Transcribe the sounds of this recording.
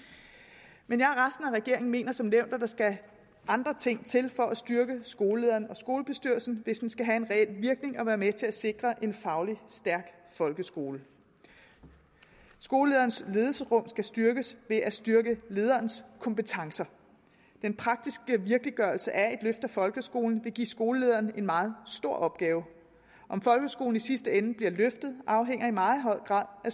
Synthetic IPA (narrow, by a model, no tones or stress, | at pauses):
menjɑ̈hæɐʁɑsd̥n̩æʁɛɡ̥e̝ɐeŋn̩me̝̰ːnɐsɒ̽mneʊ̰nd̥æd̥ɑ̈sɡ̥æ | ʔɑ̈nd̥ʁɐt͡sʰe̝ŋ̰t͡sʰe̝lfɒ̽ʔæsd̥yɐɡ̥əsɡ̥o̝ːləle̝ðˠɐːnɒ̽sɡ̥o̝ːləb̥e̝sd̥yɐ̰lsn̩ʋe̝sd̥ensɡ̥æɦæe̝nʁɛel̰ʋiɐɡ̥ne̝ŋɒ̽ʋæːɐmet͡sʰe̝læse̝ɡ̥ʁɐʔe̝nfɑ̈ʊlisd̥æɐɡ̥ | fɒ̽lɡ̥əsɡ̥o̝̰ːlə | sɡ̥o̝ːləle̝ð̞ˠɐːn̩sle̝ːð̩ˠsəʁɔ̽m̰sɡ̥æsd̥yɐɡ̥əsʋe̝ʔæsd̥yɐɡ̥əle̝ːð̞ˠɐːnskʰɒ̽mpət͡sʰɑ̈ŋsɐ | d̥enpʰʁɑ̈ɡ̥̚d̥isɡ̥əʋiɐɡ̥liɡ̥ɶɐlsəʔæe̝d̥løfd̥æfɒ̽lɡ̥əsɡ̥o̝̰ːln̩ʋe̝ɡ̥ḭːsɡ̥o̝ːləle̝ːð̞ˠɐːn̩e̝nmɑ̈ːð̞̩ˠsd̥o̝ɐ̰ʔɒ̽b̥ɡ̥ɛːʊ | ʔɒ̽mfɒ̽lɡ̥əsɡ̥o̝ːln̩isisd̥əenəb̥liɐløfd̥ð̩ˠʔɑ̈ʊɦeŋ̰ɐimɑ̈ːð̞̩ˠɦɒ̽ð̰ɡ̥ʁɑ̰̈ːðˠʔæ